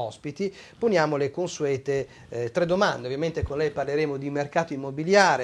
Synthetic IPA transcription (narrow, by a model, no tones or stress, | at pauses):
ɔspit̪iponjaːmolekonsuɛːt̪e | t̪ɾɛd̪ːomand̪eovjament̪ekonlɛjparleɾeːmod̪imerkaːt̪oimːobiljaːɾe